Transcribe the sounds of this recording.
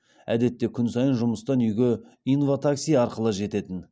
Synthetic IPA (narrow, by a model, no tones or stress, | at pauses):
æ̰d̪e̞t̪ːe̞kʲʰʏnsɑjənʒʊməst̪ɑnʏjɡʲe̞ | ijnvot̪ʰaksijɑɾqəlˠəʒe̞t̪e̞t̪ɪn